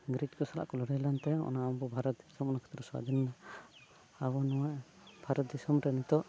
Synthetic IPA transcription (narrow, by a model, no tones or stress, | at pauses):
ɡɾitkɔsala̰ʔkɔlɔɽajlant̪ɛɔ̰naɔnbɔbʱaɾɔt̪̚d̪ʱisɔmɔnakʰɔ̥t̪ɾɔswa̰d̪ʱinna | abɔnɔwaʔ | bʱaɾɔt̪̚d̪ʱisɔmɾɛnit̪ɔʔ